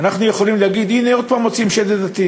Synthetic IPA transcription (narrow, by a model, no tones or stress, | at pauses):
anaχnujeχo̞limleaɡid̪ineo̞d̪̚paːmot͡siimʃed̪ed̪at̪i